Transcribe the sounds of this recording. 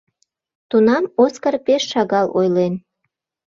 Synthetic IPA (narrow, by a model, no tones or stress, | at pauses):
t̪unɑmoskərpeʃːɑɣɑlojlen